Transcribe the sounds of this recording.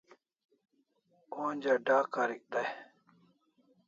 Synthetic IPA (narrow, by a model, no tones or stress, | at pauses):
oːnʲd͡ʑaɖaːkaɾik̚d̪aj